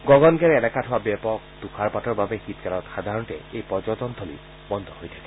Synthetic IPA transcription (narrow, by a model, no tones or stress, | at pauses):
ɡɔɡɔnɡɛɹɛnɛkatʰɔwabɛpɔkd̪ukʰaɹpatɔɹbabɛxit̪kalɔtxad̪ʱaɹɔntɛ̰ejpɔd͡ʒɔt̪ɔnd̪ʰʱɔlḭ | bɔnd̪ʱɔhojtʰakɛ̥